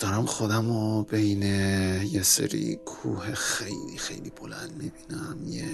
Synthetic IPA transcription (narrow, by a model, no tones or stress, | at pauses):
d̪̥ɒɾæmxod̪æmobejnejesḛɾḭkʰuːhexe̞jlixe̞̰jlibo̞lænd̪mibiːnæmje